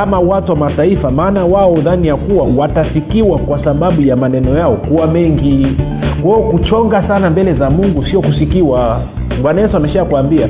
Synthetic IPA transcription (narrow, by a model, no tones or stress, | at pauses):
amawatuwamataifamaːnawaɔðanijakuwawatafikiwakwasaɓaɓujamanɛnɔjaɔkuwamɛŋɡi | kwɛɔkut͡ʃɔŋɡasanambɛlɛzamuŋɡusiɔkusikiwa | ɓwanajɛsuamɛʃakuambia